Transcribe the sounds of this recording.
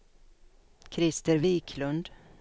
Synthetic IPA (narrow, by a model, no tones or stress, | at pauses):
kʰɾɪst̪əɾviːkʰlɵnd̪